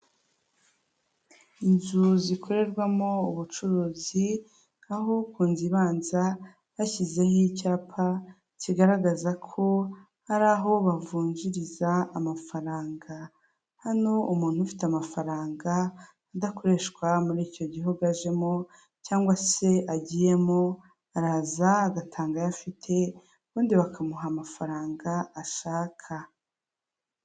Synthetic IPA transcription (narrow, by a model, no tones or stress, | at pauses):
inzuzikʰo̞ɾe̞ɾɡwamo̞uβut͡ʃuɾuːzi | aɦo̞kuːnziβaːnza | βaçize̞hicaːpʰa | ciɡaɾaɡazakʰo̞ | haɾaːɦo̞βavuːɲɟiɾizaːmafaɾaːŋɡa | hano̞umuːn̥hufi̥tamafaɾaːŋɡaː | dakoɾe̞ːʃkwamuɾiːco̞ɟiɦoɡaʒe̞mo | caːŋɡwase̞aɟije̞mo | aɾaːzaːɡatʰaːŋɡajafitʰe̞ | uβuːndiβakʰamuɦamafaɾaːŋɡaːʃaːkʰa